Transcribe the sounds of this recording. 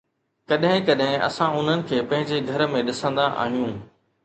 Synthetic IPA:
kɐɗɦɪ̃kɐɗɦɪ̃ʔɐ̰sãʊn̤ənɪ̆kʰeːpɐ̃ɦɪ̃ɲd͡ʑeɡʱɐɾəmẽɗɪsə̃nd̪aʔa̰ːɦijũː

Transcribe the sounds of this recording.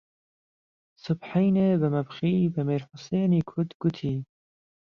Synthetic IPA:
sʊbħajnebəmɐbxiːbɐmiːɾħʊseːniːkʰʊd̪ɡ̥ʊt̪ʰiː

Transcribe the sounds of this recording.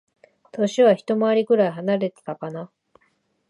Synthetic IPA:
t̪o̞ɕiβaçi̥t̪o̞moaɾʲikɯ̟ɾaiɦanaɾe̞t̪e̥t̪akana

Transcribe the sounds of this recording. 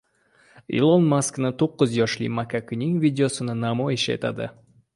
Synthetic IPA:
ḭlˠonmasknɪt̪ʰoqːʊzjɒʃlḭmakʰakʲʰʊnɪŋvʲid̪ʲeosɪnɪnamɒjɪʃe̞̰t̪ʰa̰d̪ɪ̰

